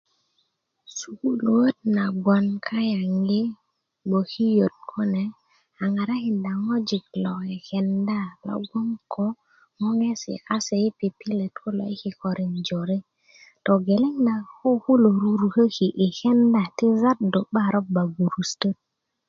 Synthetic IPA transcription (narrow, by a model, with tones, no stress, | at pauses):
su˨ku˦lo˨wə˦t̚na˨ɡwa˨nkʰa˦ja˨ŋɡi˦ | ɓo˨ki˦jo˨t̚kʰo˦ne˨ | a˨ŋa˨ɾa˦hi˨nda˨ŋo˦d͡ʒi˨klo˨e˨ke˨nda˦˨lo̰˦ɡo˦mkʰo˦ | ŋo˦ŋe˦sḭ˨ʔa˦se˨i˦pi˨pi˦le˨tku˦lo̰˨i˦ki˨ko˨ɾi˨ŋd͡ʒo˨ɾi˦ | to˨ɡe˨le˦ŋda˨ko˦ku˦lo˨ɾu˨ɾu˨kə˦ki˨ʔi˨xe˦nda˨ti˦za˦tdo˨ɓa˦ɾo˦ba˨ɡu˨ɾu˨stə˦t̚